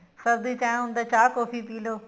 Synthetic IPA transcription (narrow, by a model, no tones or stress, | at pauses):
sɐɾd̪it͡ɕãːɦʊ̃nd̪at͡ɕaːkoːfipiːloː